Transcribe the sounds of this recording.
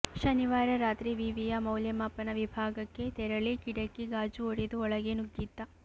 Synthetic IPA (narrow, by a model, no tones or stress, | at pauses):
ʃɐniʋaːɾɐɾaːt̪ɾiʋiːʋijɐmɐwljɐmaːpːɐnɐʋibʱaːɡɐkːe̞t̪ɛɾɐɭikiɽɐkːiɡaːd͡ʒuoɽid̪uɔɭɐɡenuɡiːt̪ːɐ